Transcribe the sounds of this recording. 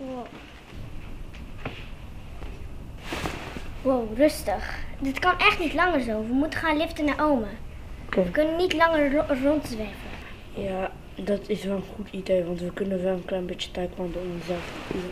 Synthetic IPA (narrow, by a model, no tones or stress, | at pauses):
wo | wowrɵstəχdətkɑnʔɛχtnitlɑŋəɹzowʋəmutəχaːnlɪftənaːɹʔowmə | ʋəkɵnənːitlɑŋərːɔntzʋɛrpə | jaː | dɑtʰɪsʋɛlˠənχutʰideːʋɑntʋəkɵnənʋɛlˠənklɛjənbett͡ʃə̥tɛjklandəɔmnsɛf